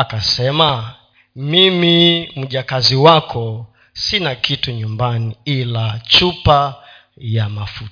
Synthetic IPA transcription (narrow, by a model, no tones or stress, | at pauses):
akasɛma | mimim̩ʄakaziwakʰɔ | sinakituɲumbaniilat͡ʃupa | jamafut